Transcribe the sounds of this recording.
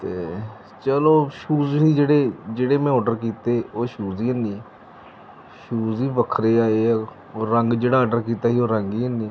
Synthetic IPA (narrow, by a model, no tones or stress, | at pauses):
t̪eː | t͡ʃəloːʃuːzɦiːd͡ʒeːɽeːd͡ʒeːɽeːmɛ̃ːɔːɖəɾkiːt̪eːoːʃuːziːənːi | ʃuːziːʋəkʰɾeːaːeː | oːɾəŋɡd͡ʒeːɽaːɖəɾkiːt̪aːɦiːoːɾəŋɡiːənĩː